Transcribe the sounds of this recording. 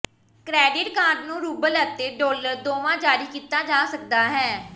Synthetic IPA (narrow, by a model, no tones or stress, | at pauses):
kɾɛːɖɪʈkaːɾɖnũːɾuːbələt̪ːeːɖoːləɾd̪oːʋãːd͡ʒaːɾiːkiːt̪aːd͡ʒaːsək̚d̪aːɦɛː